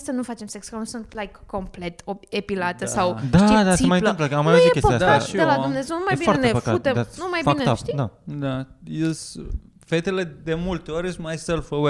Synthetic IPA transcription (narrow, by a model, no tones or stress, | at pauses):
sənufat͡ʃemseksualnusunt̪lajkːomplet̪oepilat̪əsawd̪ʃaid̪asieimajplemp̬ləkamajaujekespəiad̪elad̪umne̞zewnumajbifatenepəkaut̪ed̪anumajbfaikneaʃid̪ad̪ajes | fet̪eled̪emult̪eoɾʲismajselfowe